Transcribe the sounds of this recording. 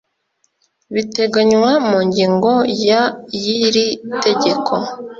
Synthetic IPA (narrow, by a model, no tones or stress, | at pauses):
βite̞ɡaɲwamuːɲɟiːŋɡo̞jajiɾite̞ɟe̞kʰo̞